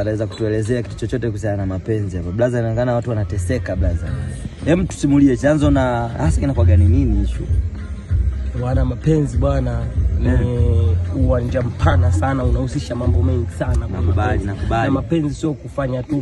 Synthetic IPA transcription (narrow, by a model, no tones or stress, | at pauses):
anawɛzaku̥tuɛlɛzɛaki̥tu̥t͡ʃɔt͡ʃɔtɛk̬usiananamapɛnziabablazainaɔŋɡanaawatuwanatɛsɛkablaza̰hɛm̩tu̥simuliɛt͡ʃanzɔnahasakinakwaɡanininiit͡ʃɔ̰ | wanamapɛnziɓwanani | uwand͡ʒam̩pʰanasanaunahusiʃamambɔmɛŋɡisananakuɓalinakuɓamapɛnzisiɔkufaɲatu